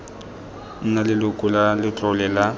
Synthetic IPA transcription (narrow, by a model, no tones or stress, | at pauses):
n̩nalɪlʊkʼʊlalɪt͡ɬʼɔlɛla